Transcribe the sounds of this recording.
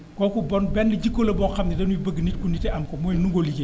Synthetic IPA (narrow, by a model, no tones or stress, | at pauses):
kɔkubɔnbɛnliɟikːolɐbɔxɐmnidɐnuibəɡːnit̚kunitɛɐmkɔmɔjnuŋɡolike